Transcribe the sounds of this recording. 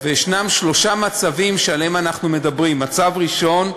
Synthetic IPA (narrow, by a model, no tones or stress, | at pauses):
vejʃnamʃlo̞ʃamat͡savimʃealemanaχnume̞dabʁimːat͡savʁiʃo̞n